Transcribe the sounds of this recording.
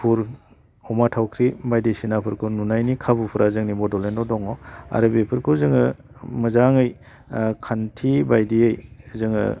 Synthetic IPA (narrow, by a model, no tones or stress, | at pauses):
pʰuɾ | ɔmatʰawkʰɾibajdisinapʰɯɾkʰununajnikʰabupʰuɾʔazɯŋnibɔdɔlendɔdɔŋɔa̰ɾɯbepʰɯɾkʰuzɯŋɯ | mɯzaŋɯj | kʰantʰibajdiɯjzɯŋɯ̰